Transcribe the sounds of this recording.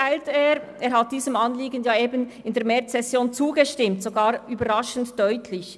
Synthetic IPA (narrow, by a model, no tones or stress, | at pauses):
aɪlteːɾʔeːɾhat̚d̥iːzəmɑnliːɡənjaːeːbənɪndeːɾmɛt͡ssɛsjoːnt͡suːɡəʃtɪmtz̥oɡaːɾyːbɐɾɑʃən̩td̥œʏtʰlɪç